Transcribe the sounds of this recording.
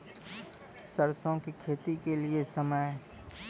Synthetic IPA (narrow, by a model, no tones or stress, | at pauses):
səɾsõkikʰeːt̪ikeliesɐməj